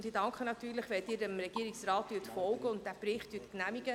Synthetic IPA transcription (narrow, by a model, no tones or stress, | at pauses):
ntd̥iːdɑŋkχənɑtyːɾləχʋɛld̥ɪːɾəmɾɛɡiəɾiksrɑːt̚d̥yːtfɔlɡəʊntdæːb̥rɪχtd̥yːtknæmiɡ̥ə